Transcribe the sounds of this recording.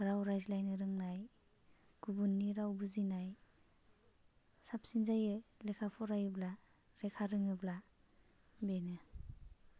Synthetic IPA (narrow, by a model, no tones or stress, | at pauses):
ɾawɾajzlajnɯɾɯŋnaj | ɡ̥ubunːiɾawbuzinaj | sap̚sinzajɯlekʰapʰɔɾajɯbla | ɾekʰaɾɯŋɯbla | benɯ